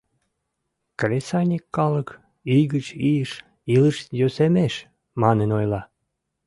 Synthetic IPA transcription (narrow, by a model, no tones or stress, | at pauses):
kresɑjʲnʲikːɑlək | yjɣət͡ɕijəʃ | iləʃjøsemeʃ | mɑnenojlɑ